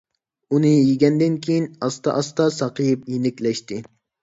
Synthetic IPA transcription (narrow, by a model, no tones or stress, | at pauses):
unɨjiɡʲɛnd̪ɪnkʲʰejinɑst̪ɑ̰ʔɑst̪ɑsɑqɨjip̚jenɪkʲlɛʃt̪ɪ